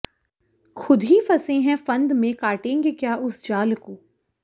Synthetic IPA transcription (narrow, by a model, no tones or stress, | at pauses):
xʰʊd̪ʱifɐsẽɦɛ̃fɐ̃nd̪mẽkaːʈẽːŋɡekjaːʔʊsd͡ʒaːlkoː